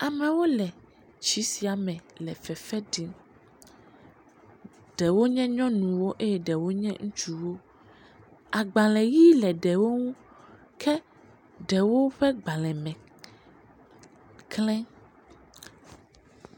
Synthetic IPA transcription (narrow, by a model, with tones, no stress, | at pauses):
a˨mɛ̃˨wo˦lɛ˨ | t͡ʃi˨˦si˨a˨mɛ̃˨lɛ̰˨fɛ˨fɛ˦ɖi˦n | ɖ̥ɛ˨wo˦ɲɛ̃˦ɲɔ̃˦nũ˨wo˦ʔe˦jɛ˦ɖɛ˨wo˦ɲɛ̰̃˦ŋũ˦t͡ʃu˨wo˦ | a˨ɡ͡ba˨lɛ˨ji˦lɛ˨ɖɛ˨wo˦ŋũ˦ | kʰɛ˦ | ɖɛ˨wo˦ɸɛ˦ɡ͡ba˨lɛ̃˨mɛ̃˨ | klɛ̃˦